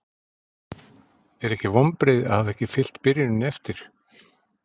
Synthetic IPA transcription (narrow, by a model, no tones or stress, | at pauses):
ɛɾɛhcɪvɔmpɾejða̰ðhavɛhcɪfɪl̥t̪pɪɾjɪnɪnɛft̪ɪɾ̥